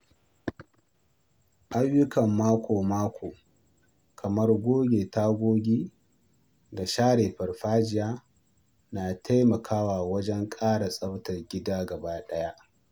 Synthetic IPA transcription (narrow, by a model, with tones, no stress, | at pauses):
ʔa˦jːʊ˦kɐ˨mːaː˦kʷoː˨maː˦kʷoː˨ | kʰɐ˨mɐ˦rɡʷoː˦ɡʲeː˨ta˦ɡʷoː˦ɡʲiː˦ | ɡa˨ʃaː˦ɽeː˨ɸɐ˨rɸaː˦d͡ʒɪ˨jaː˦ | naː˨tʰa˦jmɐ˨kʰaː˦waː˨wɐ˦d͡ʒɛ˦ŋkʼaː˦ɽa˨sʼɐ˦btɐ˨rɡʲɪ˦daː˦ɡɐ˨baː˦ɗɐ˦ja˦ʔ